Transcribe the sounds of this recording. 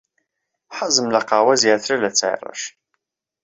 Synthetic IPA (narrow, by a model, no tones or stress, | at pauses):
ħəzəmlaqɑwæziʕθɾælæt͡sːʕḭrˤə̰ʃ